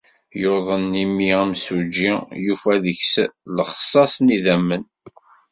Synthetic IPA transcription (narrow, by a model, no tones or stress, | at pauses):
joðˤənːimiæmsud͡ʒijufæðəçsləχsˤɑsˤniðæmːən